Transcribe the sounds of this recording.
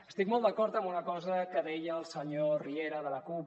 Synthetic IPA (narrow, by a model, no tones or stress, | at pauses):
əst̪ikmolˠd̪əkɔɾt̪əmbunəkɔzəkəðɛjəːlˠsəɲorieɾəðələkup